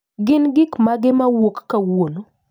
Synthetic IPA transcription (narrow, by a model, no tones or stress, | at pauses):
ɡɪnɡɪkmaɡɪmawokːawono